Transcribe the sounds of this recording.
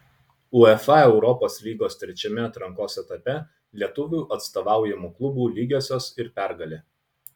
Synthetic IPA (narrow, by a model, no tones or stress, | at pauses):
ʊɛfɑɛʊɾɔpoːslʲiːɡoːst̪ʲɾʲɛt͡ʃʲɛmʲɛɐt̪ɾɐŋkoːsɛt̪ɐpʲɛ | lʲiɛt̪ʊʋʲuːˑʔɐt̪st̪oːʋɑˑʊjɛmuːklˠʊbuːlʲiːɡʲoːsʲoːsɪɾpʲæˑɾɡɐlʲeː